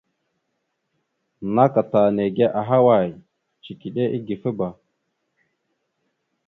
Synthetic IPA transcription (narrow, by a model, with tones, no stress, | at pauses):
na˦ka˨ta˨ne˨ɡe˦ʔa˨ɦa˦wa˨j | t͡ʃi˨ki˨ɗe˦ʔi˦ɡi˨fə˦ba˨